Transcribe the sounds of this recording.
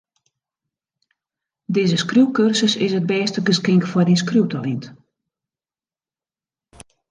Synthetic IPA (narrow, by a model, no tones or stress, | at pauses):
dɪːzəskrjuwkørsəsɪsət̚bɛːstəɡəskɪŋkəfɔrdis̬kruwtalint